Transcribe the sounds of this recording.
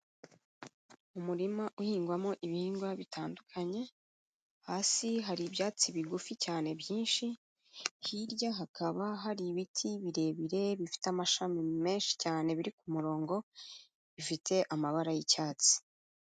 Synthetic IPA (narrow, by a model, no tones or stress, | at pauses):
umuɾimaʔuhiːŋɡwamo̞ʔiβihiːŋɡwaβitʰaːndukʰaɲe̞ | haːsiɦaɾibjaːt͡siβiɡuficaːne̞bjiːnʃi | hiɾjaɦakʰaβaɦaɾiβitʰiβiɾe̞ːβiɾe̞βifi̥tamaʃamime̞ːnʃi̥caːne̞βiɾikumuɾo̞ːŋɡo̞ | βifitʰe̞ʔamaβaɾajicaːt͡si̥